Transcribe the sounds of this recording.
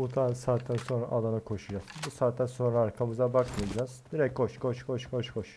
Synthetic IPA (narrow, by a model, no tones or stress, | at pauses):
ut̪ʰansaːt̪ʰːænso̞nɾa̰ʔalˠanakʰo̞ʃud͡ʒasɯbusaːt̪ːænso̞nɾaːɾkʰamɯzabakmɯjad͡ʒazd̪̥iɾɛc̚kʰoʃkʰoʃkʰoʃkʰoʃkʰoʃ